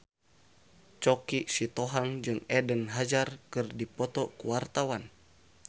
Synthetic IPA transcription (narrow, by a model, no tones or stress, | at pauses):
t͡ʃɔkisit̪ɔɦaŋd͡ʒɨŋɛdənɦad͡ʒarkɨrdipɔt̪ɔkuwart̪awan